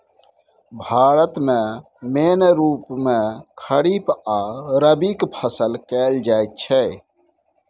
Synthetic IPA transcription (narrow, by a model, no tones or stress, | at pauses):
bʱaːɾət̪mẽ | meːnɾuːpmẽkʰəɽipaːɾəbiːkpʰəsəlkeːld͡ʒaːjt̪̚t͡ʃʰe